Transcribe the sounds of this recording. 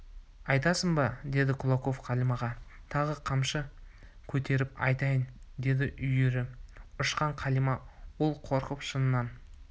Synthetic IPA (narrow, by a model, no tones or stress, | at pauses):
ɑjt̪ɑsəɴbɑd̪e̞d̪ɪkʰʊlˠɑko̞fqʰɑlimɑʁɑt̪ʰɑʁəqʰɑmʃə | kʲʰɵt̪e̞ɾɪpɑ̰jt̪ɑjənd̪e̞d̪ɪʔʏjeɾɪʊʃqɑɴqʰɑlimɑwo̞lˠqʰo̞ɾqəpʃənənɑn